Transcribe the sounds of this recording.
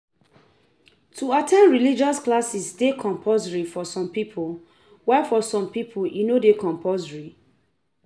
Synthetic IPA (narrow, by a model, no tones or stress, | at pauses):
tʰuatʰɛ̃nɹilid͡ʒɔsklasisdekʰɔ̃mpʰɔzɹifɔsɔ̃mpipʰol | wafɔsɔ̃mpipʰoljinodekʰɔ̃mpʰɔzɹi